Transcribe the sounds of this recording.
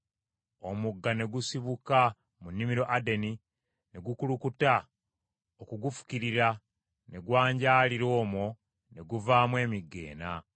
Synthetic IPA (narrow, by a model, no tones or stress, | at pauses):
o̞muɡːane̞ɡusiβuka | munːimiɾo̞ʔade̞ni | ne̞ɡukulukuta | okuɡufu̥kiɾiɾa | ne̞ɡwaːɲɟaːliɾo̞ːmwo̞ | ne̞ɡuvaːmwe̞ːmiɡːe̞̰ːna